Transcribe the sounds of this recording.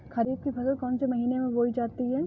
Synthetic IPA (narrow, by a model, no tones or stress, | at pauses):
kɐɾiːb̚kipʰɐzəlkɔ̃ːnsemɐɦiːnemẽʋoːid͡ʒaːt̪iɦɛː